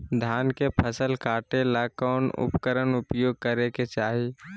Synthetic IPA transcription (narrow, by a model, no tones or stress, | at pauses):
d̪ʱjaːnkepʰəsəlkaːʈelakɔːnʊ̰pkəɾənʊpjoːɡ̚kəɾeket͡ʃaːɦi